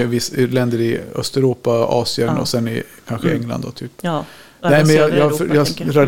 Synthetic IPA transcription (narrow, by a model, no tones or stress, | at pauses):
vɪsɪlɛnd̪əɾɪœ̰st̪ɛɾuːpaɑ̰ːsɪənɔ̰sɛnɪ̰kʰanɧəɛŋːla̰nd̪d̪ɔ̰t̪ʰyːp | nɛɪmɛnjɑjɑfjɑːɾad̪